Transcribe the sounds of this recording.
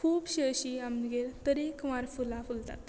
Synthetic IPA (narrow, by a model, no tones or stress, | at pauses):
kʰuːbɕəɕiamɡelt̪əɾikʋaɾfulafult̪a̰t̪